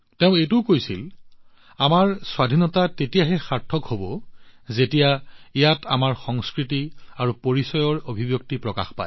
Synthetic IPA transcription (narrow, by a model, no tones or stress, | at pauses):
teʊ̃ejtʊkojsil | amaɹswadʱinɔtatetijaɦɛxaɹtʰːɔkhobɔzetijaijatamaɹxɔŋskɹitiaɹupoɹisɔjɔɹobʱibjok̚tipɹɔka̰xpa̰j